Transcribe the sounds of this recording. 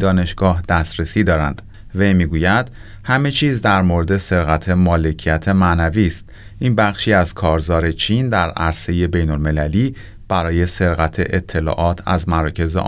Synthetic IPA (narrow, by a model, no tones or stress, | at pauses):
d̪ɒːne̞ʃɡ̥ɒːɦd̪̥æsɾesiːd̪ɒːɾænd̪̥ | ve̞jmiːɡuːjæd̪̥ | hæme̞t͡ʃʰiːzd̪æɾmoɾed̪e̞se̞ɾɣæt̪ʰe̞mɒːle̞cʰijæt̪ʰe̞mæʔnæviːst̪ | ʔiːnbæχʃiːæz̥kʰɒːɾzɒːɾe̞t͡ʃʰiːnd̪æɾæɾse̞je̞be̞jnolme̞læliː | b̥æɾɒːje̞se̞ɾɣæt̪ʰe̞̰ʔet̪ʰːe̞lɒ̰ːʔɒːt̪ʰæ̰zmæɾɒːcʰe̞zḛ